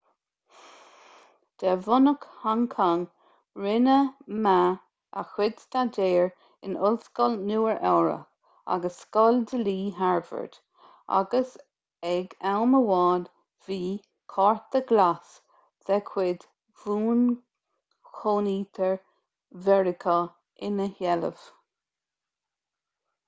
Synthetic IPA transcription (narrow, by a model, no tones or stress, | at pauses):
d̪̥ɛvʊnəkhaŋkʰaŋ | ɹɪnəma | ə̰xwɪd̪st̪adeːɹ | ɪnʊlskɔlnuːəɹʔɛwɹə̰ | a̰ɡəsːkɔldəliːɦaɹvə̰ɹd̪̥ | a̰ɡəs | ɛɡawməwɑːd | v̥iː | kʰɔɹt̪əɡlas | ð̥ɛkʰwɪd̪ | v̥uːn | xʰoːniːt̪ʰəɹ | vɛɹɪkʰə | ɪnəhɛlə̰v̥